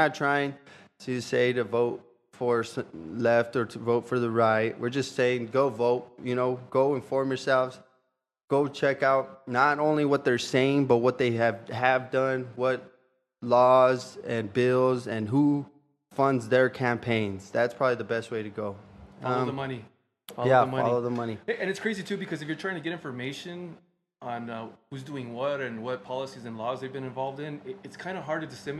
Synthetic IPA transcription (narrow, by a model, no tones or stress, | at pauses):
ətʰɹ̥aɪɪ̃ŋtʰɨɨseɪɾɨvoʊt̚ | fə˞slɛftə˞ɾɨvoʊtfə˞ðəɹaɪt̚wɪ̰ɹd͡ʒʌstseɪɪ̃ŋɡoʊvoʊt̚jɨnoʊɡ̥oʊɨ̃nfɔɹmjə˞sɛlˠvz̥ | ɡ̥oʊt͡ʃʰɛkaʊt̚ⁿnəɾõʊ̃nliwʌt̪̚ðə˞seɪɪ̃ŋbʌt̚wʌt̪̚ðeɪɨvɨvdʌ̃nwʌt̚ | lɔzɨ̃nbɪlˠzɨ̃nɦu | fʌ̃ndzðə˞kʰæ̃mpʰẽɪ̃nz̥ðætspʰɹ̥ɑbəbliðɨbɛst̚weɪɾɨɡoʊʌ̃ðəmʌni | fɑljæfmʌɑ̰lˠoʊðəmʌniɨ̃nɨtskʰɹ̥eɪzitʰʉbɨkʰʌzɨfjə˞tʰɹ̥aɪɪ̃ŋtʰɨɡɛɾɪ̃ɱfə˞meɪʃɨ̃n | ə̃nʌhuzduɪ̃ŋwʌɾɨ̃nwʌt̚pʰɑlˠəsizɨ̃nlɔzðeɪvbɨ̃nɨ̃ɱvɑlˠvdɪ̃nɪɨtskʰãɪ̃ndəɦɑɹd̚ɨdɨsɪ̃m